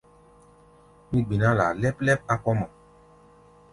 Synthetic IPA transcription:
mĩ˦ɡ͡bi˨nã˦la̰˨lɛ˦plɛ˦p̚a˦kɔ˦mɔ̃˨

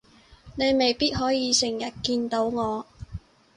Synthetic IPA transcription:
ne˨˧jme˨˩jpiː˥t̚ɦɔː˨˥jiː˨˧sɪ˨˩ŋjɐ˨˩t̚kiː˧nt̪o˨˥wŋɔː˨˧

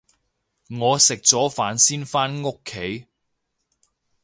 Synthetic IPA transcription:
ŋɔː˨˧sɪ˨k̚t͡sɔː˨˥faː˨˥nsiː˥nfaː˥nŋo˥kʰːe˨˥j

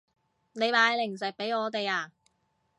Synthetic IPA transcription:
ne˨˧jmaː˨˧jlɪ˨˩ŋs̬ɪ˨k̚pe˨˥jŋɔː˨˧t̪e˨jaː˧

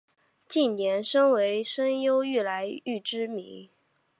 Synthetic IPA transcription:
t͡ɕi˥˩nnjɛ˧˥nʂə˥ŋwe˧˥ɪʂə˥ŋjo˥ʊy˥˩la˧˥ɪy˥˩ʈ͡ʂɻ̩˥mḭ˧˥ŋ

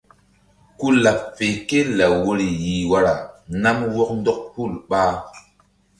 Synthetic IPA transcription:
ku˦la˨pfe˨ke˦la˨wo˦ɾi˨ji˨wa˦ɾa˨na˦mwɔ˦k̚n˦dɔ˦k̚pu˦˨lɓaː˦

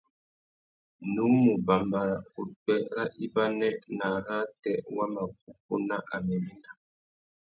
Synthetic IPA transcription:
nu˦mu˨ba˨mba˨ɾa˨u˨tɛ˦ɾa˦ʔi˦ba˦nɛ˦ʔna˨ɾa˦tɛ˨wa˦ma˨k̚u˦k̚u˦na˦ʔa˨mɛ˨ni˦na˨

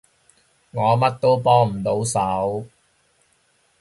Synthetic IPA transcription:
ŋɔː˨˧mɐ˥t̚t̪o˥wpɔː˥ŋm̩˨˩t̪o˨˥wsɐ˨˥w

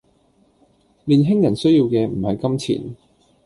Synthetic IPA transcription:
liː˨˩nɦɪ˥ŋjɐ˨˩nsɵ˥ɥjiː˧wkɛː˧m̩˨˩hɐ˨jkɐ˥mt͡sʰḭː˨˩n

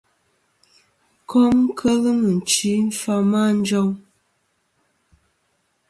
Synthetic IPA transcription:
kɔ˦mkʰə˦lə˦mə˨n̩˨t͡ʃi˨˦n̩˦fa˦ma˦˨n̩˦d͡ʒɔ˦ŋ

